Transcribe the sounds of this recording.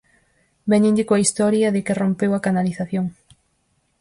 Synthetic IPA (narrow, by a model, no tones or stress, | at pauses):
bɛɲẽɲd̪ikoɐist̪ɔɾjɐðɪkɪrompewɐkanaliθaθjoŋ